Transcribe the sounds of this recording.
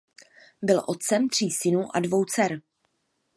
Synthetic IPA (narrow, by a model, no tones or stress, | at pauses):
bɪlʔo̞t̪̚t͡sɛmt̪r̝̥iːsɪnuʔadvo̞wt͡sɛɾ